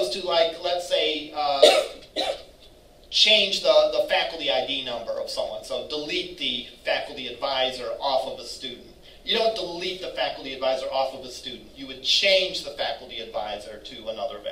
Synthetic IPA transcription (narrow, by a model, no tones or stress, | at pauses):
ʌz̥tʰɨlaɪklətseɪ | t͡ʃʰẽɪ̃nd͡ʒðəðəfækl̩ˠtiaɪdinʌ̃mbə̰˞ʌ̰v̥sʌ̃mwʌ̰̃nsoʊdəlit̪̚ðɨfækl̩ˠtiɨdvaɪzə˞ʔɔfʌvəstʉdⁿn̩t | jɨɾõʊ̃nd̥əlit̪̚ðɨfækl̩ˠtiɨdvaɪzə˞ʔɔfʌvəstʉdⁿn̩tɨwɨd̚t͡ʃʰẽɪ̃nd͡ʒðəfækl̩ˠtiɨdva̰ɪzə˞ɾɨənʌðə˞v̰